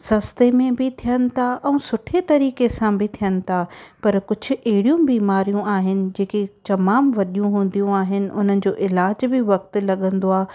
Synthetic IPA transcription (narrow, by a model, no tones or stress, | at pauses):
sɐst̪emẽbʱɪt̪ʰijənɪ̆t̪ʰaʔɛ̃ːsʊʈʰet̪ɐɾiːkesãbʱɪt̪ʰijənɪ̆t̪ʰapɐɾkʊd͡ʑʱʊ̆ʔɛɦɪɽijũbiːmaːɾijũaːɦɪnɪ̆d͡ʑeːket͡ɕ̪ɐmaːmʋɐɗijũɦũːn̆d̪ijũaːɦɪnɪ̆ʔʊn̤ənɪ̆d͡ʑoːʔɪlaːd͡ʑbɪʋɐk̚t̪lɐɠə̃nd̪oaː